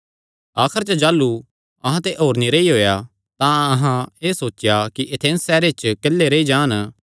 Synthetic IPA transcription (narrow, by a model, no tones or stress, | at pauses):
aːkʰəɾt͡ʃəd͡ʒaːlːu | ɐɦãt̪eʔoːɾniɾeiɦoːja | t̪ãɐɦãeːsoːt͡ʃːjakiʔet̪ʰẽːnsːɛːɾet͡ʃkelːeɾeid͡ʒãːn